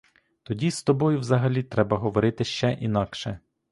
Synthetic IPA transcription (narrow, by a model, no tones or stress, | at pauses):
t̪ɔdʲist̪ɔbɔjʊwzɐɦɐlʲit̪ɾɛbɐɦɔʋɔɾɪt̪ɪʃt͡ʃɛʔinɑkʃɛ